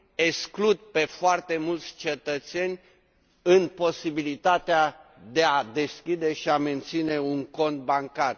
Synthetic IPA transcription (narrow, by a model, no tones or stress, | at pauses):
eksklud̪̚pe̞foart̪e̞mult̪sʲt͡ʃe̞t̪ət̪se̞nʲ | ɨnpo̞sibilit̪at̪ead̪ead̪e̞skʲid̪e̞ʃiame̞nt̪sine̞uŋko̞nt̪̚baŋkar